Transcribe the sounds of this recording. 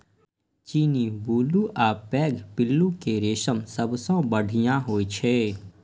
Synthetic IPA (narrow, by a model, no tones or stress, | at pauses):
t͡ʃiːnibuːluʔaːpɛːɡpɪlːũkeɾeːʃəmsəbsõbəɽʱɪjãɦoːit͡ʃʰeː